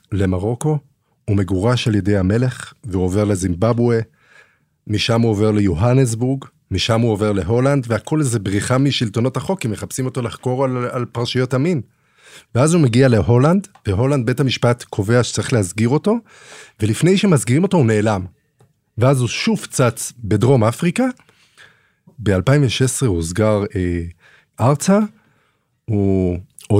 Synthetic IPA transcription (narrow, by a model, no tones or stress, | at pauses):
le̞maʁo̞ko̞ | ume̞ɡuʁaʃalje̞de̞jhame̞le̞χveuove̞ʁle̞zimbabwe | miʃamuove̞ʁle̞juɦanes̬buʁɡ | miʃamuo̞ve̞ʁle̞ɦo̞landveako̞lezebʁiχamiʃilto̞no̞thaχo̞kimeχapsimo̞t̪o̞laχko̞ʁalalpaʁʃijo̞tamin | veazumeɡiale̞ɦo̞land̪veɦo̞land̪̚be̞thamiʃpatkʰo̞ve̞aʃe̥t͡saʁiχleɦazɡiʁo̞to̞ | ve̞lifne̞jʃe̞mazɡiʁimo̞to̞une̞ːlam | veazuʃuv̥kt͡sat͡sbe̞dʁo̞mafʁika | be̞alpaiɱveʃesʁehuzɡaʁe | ʔaʁt͡sa | hu | o